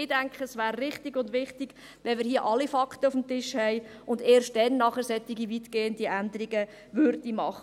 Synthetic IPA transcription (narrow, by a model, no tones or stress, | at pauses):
ɪdæŋkχəsʋæːɾːɪχtiɡʊndʋɪχtɪɡ̥ | ʋɛnmɪɾɦiːəʔɑlifɑktəʊfm̩tɪʃhɛɪ | ʔʊndeːrʃt̚dɛnːɑχəɾsɛt̪ːiɡivitɡ̥eːəndiʔændəɾiɡə | ʋʏɾdimɑχə